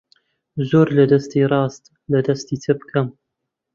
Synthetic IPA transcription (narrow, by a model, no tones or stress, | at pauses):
zoːɾlɐd̪ɐst̪iːɾˤɑːst̪ | lɐd̪ɐst̪iːt̪ʰɨbkʰɐm